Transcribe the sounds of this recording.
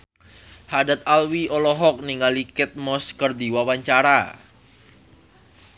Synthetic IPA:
hadat̪̚alwiʔɔlɔɦɔk̚niŋalikɪt̪̚mɔskərd̪iwawaɲt͡ʃaɾa

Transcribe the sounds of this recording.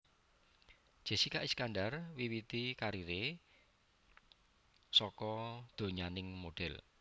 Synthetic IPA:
d̥ʒ̥e̤sikaʔiskanɖarwiwit̪ikaɾiɾe | sɔkɔd̪̥o̤ɲanɪŋmoɖ̥ɛl

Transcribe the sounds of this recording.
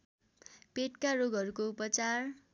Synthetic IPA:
peʈkaɾoɡʱʌɾukoupʌt͡sar

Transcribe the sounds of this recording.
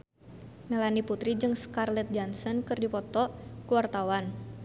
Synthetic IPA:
mɛlaniput̪ɾid͡ʒɨŋskarlɛt̪̚d͡ʒɔnsɔnkɨrdipɔt̪ɔkuwart̪awan

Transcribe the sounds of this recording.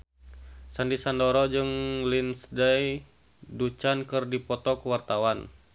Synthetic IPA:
sandisandɔɾɔd͡ʒɨŋlinsdaj | dut͡ʃankɨrdipɔt̪ɔkwart̪awan

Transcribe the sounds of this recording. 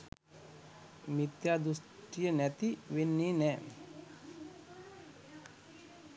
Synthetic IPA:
mit̪jaːd̪usʈijənɛt̪iʋenːiːnɛː

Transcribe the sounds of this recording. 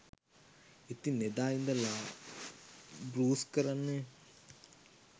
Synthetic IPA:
et̪ined̪aːjind̪ɐla | bɾuːskɐɾɐnːe

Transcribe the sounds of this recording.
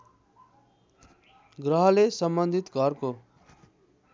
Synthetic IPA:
ɡɾʌɦʌlesʌmbʌnd̪ʱit̪ɡʱʌrko

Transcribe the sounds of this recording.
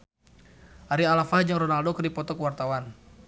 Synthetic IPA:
ʔaɾialafahd͡ʒaŋrɔnaldokɨrdipɔt̪ɔkəwart̪awan

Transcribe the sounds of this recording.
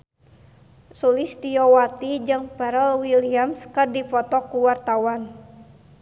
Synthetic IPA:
sulist̪ijɔwat̪id͡ʒɨŋpaɾɛlwiliamskɨrdifɔt̪ɔkuwart̪awan

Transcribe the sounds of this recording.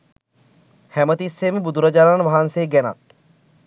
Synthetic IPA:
hæmət̪isːeməbud̪ʱuɾad͡ʒaːɾanʋaɦanseːɡɛna̰t̪̚

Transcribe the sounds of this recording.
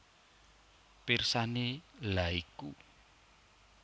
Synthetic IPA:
pirsanelaiku

